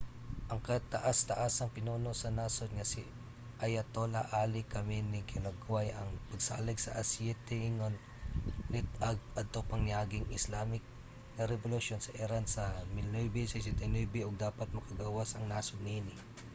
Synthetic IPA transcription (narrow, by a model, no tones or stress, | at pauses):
ʔɐŋkɐt̪ɐʔast̪ɐʔasɐŋpɪnuːnosɐnasod̪̚ŋɐsɪ | ʔɐjɐt̪olɐa̰ʔaːlɪkɐmɪnɪkɪlɐɡwajʔɐŋpɐɡ̚sa̰ːlɪɡsɐ̰ʔɐsjɛt̪ɛŋon | lɪt̪ɐɡ̚pɐd̪̚t̪opɐŋnɪaːɡɪŋʔɪslaːmɪk̚ | nɐɾɛbʊlʊʃjonsɐʔɪɾansɐmɪlnojbisɪsɪt̪ɛnujbɪʔoɡ̚d̪aːpɐt̪̚mɐkɐɡaːwasɐŋnaːsʊd̪ninɪ